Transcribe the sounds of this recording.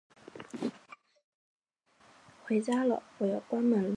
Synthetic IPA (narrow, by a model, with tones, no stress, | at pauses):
xwe˧˥ɪt͡ɕja˥lə̰˨wɔ˧˥˩jo˨˩ʊkwa˥nmə˧˥nl